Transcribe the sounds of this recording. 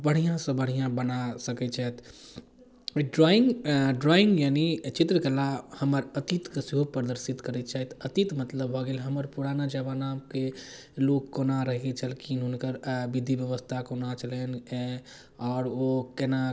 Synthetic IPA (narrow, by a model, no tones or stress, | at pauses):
bəɽ̤ijãsɐ̃bəɽ̤ijãbənasəkɛt͡ʃʰɛt̪ | ɖɾɔɪŋɡɖɾɔːɪ̃ŋɡjaːnit͡ʃɪt̪ɾəkəlahəməɾət̪it̪kəsiɦopɾəd̪əɾsit̪kəɾɛt͡ʃaɦit̪ət̪it̪mət̪ləbɦoɡeːlɦəməɾpuɾanad͡ʒəbanamke | lokkːonaɾəɦit͡ʃəlkinɦʊnkəɾbid̪ʱibjəʋəst̪ʰakonat͡ʃəlen | ɔːɾokɛna